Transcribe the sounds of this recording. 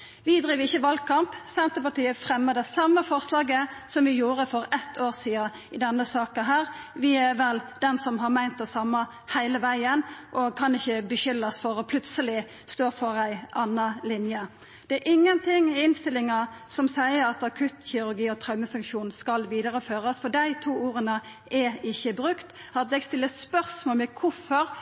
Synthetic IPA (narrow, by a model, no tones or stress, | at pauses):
ʋɪd̪ɾiːʋəɪçːəʋɑlɡ̚kʰɑmpsɛnt̪əpɑʈ̪iːəfɾɛmːəd̪ɛsɑmːəfɔɾslɑːɡəsɔmʋɪjuːɾəfɔɾɛt̪ʰːoːɾsiːɑ | ɪd̪ɛnːəsɑːkəɦæːɾʋɪæɾʋɛld̪ɛnsɔmɦɑɾmæɪnt̪̚d̪ɛsɑmːɑ | hæɪləʋæɪənʔɔkʰɑnɪçːəbəʃʏlːɑsfɔɾɔpʰlʉt̪səlɪ | st̪oːɾfɔʁæɪʔɑnːɑlɪnjə | d̪̥ɛæɾʔɪŋːənt̪ʰɪŋːɛɪnst̪ɪlːɪŋɑ | sɔmsæɪəɾɑt̪ɑkʰʉt̪çɪʉɾɡiːɔt̪ʰɾɑʉməfʉŋkʃuːnskɑlʋiːd̪əɾəføːʁəsfɔd̪æɪt̪ʰuːuːɾənə | ʔɛɪçːəbʁʉkt̪ | ɑt̪̚d̪ɛɡst̪ɪlːəspœʁsmoːlmɛkʰʊfɔɾ